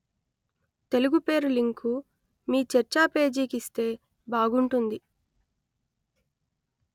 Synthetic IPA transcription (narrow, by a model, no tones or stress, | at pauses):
t̪e̞luɡupe̞ːɾuliŋkʰu | miːt͡ʃɛɾt͡ʃaːpe̞ːd͡ʒiːkist̪e̞ː | baːɡuɳʈund̪i